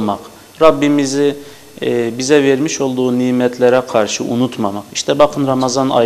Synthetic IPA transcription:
maq | ɾabːimizi | bizɛveɾmiʃo̞lˠd̪uːniːmɛt̪ʰlʲɛɾɛkʰaɾʃɯʔunut̪mamaqiʃt̪ʰɛbaqʰɯnɾamazana̰

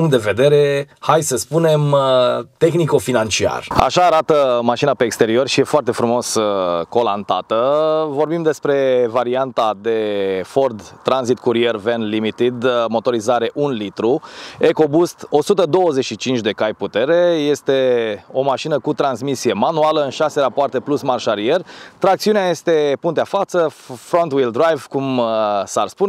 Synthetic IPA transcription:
uŋt̪d̪e̞ve̞d̪e̞ɾe̞hajsəspune̞mt̪e̞xniko̞finant͡ʃia̰ra̰ʃaːɾat̪əmaʃinape̞ːkst̪e̞ɾio̞rʃije̞foart̪e̞fɾumo̞səko̞lant̪a̰t̪əvo̞rbimd̪e̞spɾe̞vaɾiant̪ad̪e̞fo̞rd̪t̪ːɾanzit̪kuɾie̞rve̞nlimit̪id̪mo̞t̪o̞ɾizaɾe̞ʔunlit̪ɾue̞ko̞bust̪o̞sut̪əd̪o̞wəze̞t͡ʃʃit͡ʃint͡ʃʲd̪e̞kajput̪e̞ɾe̞je̞st̪e̞o̞maʃinəkut̪ɾansmisije̞manualəɨnʃase̞ɾapoart̪e̞plusmarʃaɾie̞rt̪ɾak̚t̪siuneaje̞st̪e̞punt̪eafat̪səfɾo̞nt̪wild̪ɾajvkumsarspun

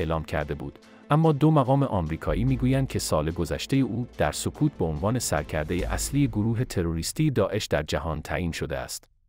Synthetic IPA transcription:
lɒːmcʰæ̰ɾd̪e̞bṵːd̪ | ʔæmːɒːd̪omæɣɒːmeʔɒːmɾiːkʰɒːʔiːmiːɡuːjænd̪̚cʰe̞sɒːle̞ɡo̞zæʃt̪e̞jeʔuːd̪̥æɾso̞kʰuːt̪̚ʰbeonvɒːne̞sæ̰ɾcʰæɾd̪e̞jḛʔæslijeɡoɾuːɦe̞t̪ʰe̞ɾo̞ɾiːst̪iːjed̪ɒːʔe̞ʃd̪æɾd͡ʒæɦɒːnt̪ʰæ̰ʔiːnʃo̞d̪eæ̰st̪

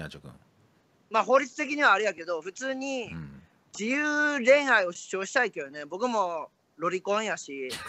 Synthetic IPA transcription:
a̰t͡ɕokɯ̰̃ | maːɦo̞ːɾʲit͡sɨ̥t̪e̞kʲiɲ̟iβaːɾɯ̟jake̞d̪o̞ɸɯ̟t͡sɨːɲ̟i | d͡ʑijɯːɾẽ̞ɰ̃haio̞ɕi̥ɕo̞ːɕi̥t̪aikejone̞bo̞kɯ̟mo̞ | ɾo̞ɾʲikõ̞ɰ̃jaɕi

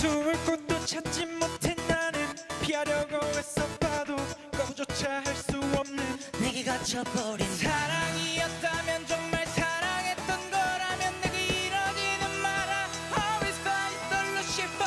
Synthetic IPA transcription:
sumuɭk͈ot̚t͈ot͡ɕʰat̚t͡ɕ͈immotʰenːanɯnpʰiaɾjʌɡʌwes͈ʌpʰadokʌmd͡ʑot͡ɕʰaɦaɭs͈uʌmnɯnneɡiɡat͡ɕʰʌpʌɾinsʰaɾaŋijʌt̚t͈amjʌnd͡ʑoŋmaɭsʰaɾaŋɦe̞t͈ʌnɡʌɾamjʌnːeɡeiɾʌd͡ʑinɯnmaɾa | hʌwisʌant͈ʌɭːʌɕ͈ip

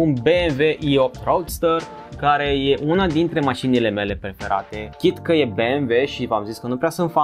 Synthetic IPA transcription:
unbeenve̞ʔiop̚t̪ɾowd̪st̪or | kaɾe̞je̞ʔunad̪int̪ɾe̞maʃinile̞me̞le̞pɾe̞fe̞ɾa̰t̪e̞kʲit̪kəje̞be̞enve̞ʃivamziskənupɾeasənfa

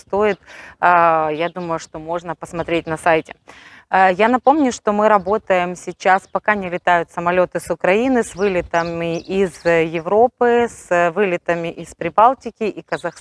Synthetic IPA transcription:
st̪o̞jɪt̪ | jad̪uməjʊʂt̪o̞mo̞ʐnəpəsmɐt̪ɾʲet̚ʲnɐsajtʲɪ | janɐpo̞mnʲʊʂt̪o̞mɨɾɐbo̞t̪əjɪmsʲɪt͡ɕːaspɐkanʲɪlʲɪt̪ajʊt̪səmɐlʲo̞t̪ɨsʊkɾɐinɨsvɨlʲɪt̪əmʲɪʔizjɪvɾo̞pɨsvɨlʲɪt̪əmʲɪʔɪspɾʲɪbalˠtʲɪkʲɪʔikəzɐxs

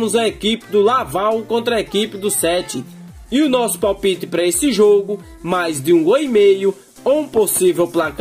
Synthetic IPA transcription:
mʊzɐekipɪd̪ʊlavawkõnt̪ɾɐekipɪd̪ʊsɛt͡ʃ̪ɪ | ɪʊnɔsʊ̥pawpit̪ɪpɾɐesɪʒoɡʊ | majzd̪ɪũɡojmejʊ | oũposivɛwplak

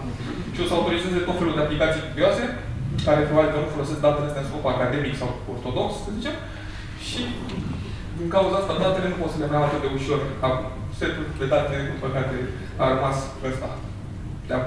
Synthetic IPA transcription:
ʃio̞saut̪o̞ɾizeze̞t̪o̞t̪fe̞luld̪eaplikat̪sijk̪ud̪ioase̞kaɾepɾobabʲilkənufo̞lo̞sesk̚d̪at̪elest̪asupokuakad̪e̞miksaw | ort̪o̞d̪o̞kssəzit͡ʃe̞m | ʃi | d̪iŋkawuzaast̪ad̪at̪ele̞nuposənemaat̪ed̪e̞uʃo̞rakum | sep̪lub̪ed̪at̪eleekupəkad̪e | armas | əst̪a̰ | d̪ea

